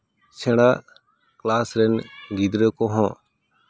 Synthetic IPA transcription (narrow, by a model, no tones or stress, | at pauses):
t͡ʃʰeɽa | klaːsɾɛnɡid̪ɾəkoɦõː